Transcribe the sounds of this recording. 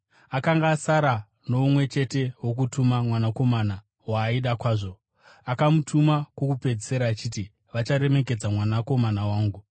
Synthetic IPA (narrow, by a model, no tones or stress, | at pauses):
akaŋɡaːsaɾa | no̞umwe̞t͡ʃe̞te̞wo̞k̬utʰumamwanako̞mana | waːiɗakwaːʐo̞ | akamutʰumakwokupe̞d͡ziseɾaːt͡ʃiːti | ʋat͡ʃaɾe̞me̞k̬e̞d͡zamwanako̞manawaːŋɡu